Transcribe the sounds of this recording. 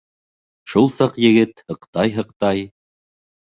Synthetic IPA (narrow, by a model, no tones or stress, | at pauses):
ʃulˠsɑqjɘ̆ɡɘt̪hɤ̆qt̪ɑjɦɤ̆qt̪ɑj